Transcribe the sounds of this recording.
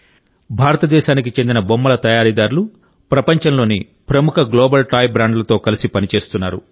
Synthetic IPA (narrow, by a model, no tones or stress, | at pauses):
bʱaːɾɐt̪ɐd̪ɛːʃaːnikit͡ʃe̞nd̪inɐbomːɐlɐt̪ɐjaːɾid̪aːɾulu | pɾɐpɐɲt͡ʃɐnlo̞ːni | pɾɐmukʰɐɡloːbɐlʈaːjbɾaːɳɖlɐt̪o̞ːkɐlisipɐnit͡ʃe̞ːst̪unːaːɾu